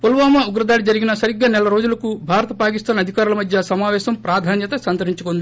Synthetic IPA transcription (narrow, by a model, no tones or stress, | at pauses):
polʋaːmɐuɡɾɐd̪aːɽid͡ʒɐɾiɡinɐsɐɾiɡɐnɛlɐɾo̞ːd͡ʒulɐkubʱaːɾɐt̪ɐpaːkist̪aːnɐd̪ʱikaːɾulɐmɐd̪ʱjɐsɐmaːʋɛːʃɐmpɾaːd̪ʱaːnjɐt̪ɐsɐnt̪ɐɾiɲt͡ʃukond̪i